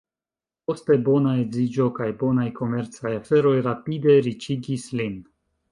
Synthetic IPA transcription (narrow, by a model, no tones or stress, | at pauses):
po̞ste̞bo̞naezid͡ʒo̞kajbo̞najko̞me̞ɾt͡sajafe̞ɾo̞jɾapide̞ɾit͡ʃiɡislin